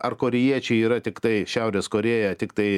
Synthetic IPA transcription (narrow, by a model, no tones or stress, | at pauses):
ɐrkoːɾʲɪjiɛt͡ʃʲɛɪiːɾɐt̪ʲɪkt̪ɐɪʃʲɛʊɾʲeːskoːɾʲeːjɛt̪ʲɪkt̪ɐɪ